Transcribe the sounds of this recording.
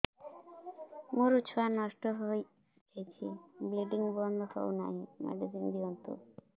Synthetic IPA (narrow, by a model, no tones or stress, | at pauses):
muɾut͡ʃʰwanɔʃʈɔɦoj | kʰet͡ʃʰibliɖiŋɡbɔnd̪ʱɔkɔ̰una̰ɦĩmɛ̰ɖiziŋd̪iɔnt̪ṵ